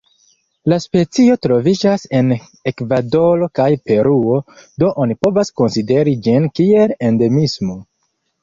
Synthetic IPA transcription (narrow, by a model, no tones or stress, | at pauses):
laspe̞t͡sio̞tɾo̞vid͡ʒase̞n | e̞kvado̞lo̞kajpe̞ɾuo̞do̞ʔonipo̞vasko̞nside̞ɾid͡ʒinkie̞le̞nde̞mismo̞